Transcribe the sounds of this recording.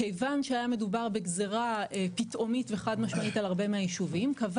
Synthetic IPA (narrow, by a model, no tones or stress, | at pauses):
ejvanʃeajame̞dubaʁbe̞ɡzeʁaepitʔo̞mitveχadmaʃmaitalaʁbe̞meajiʃuvimkav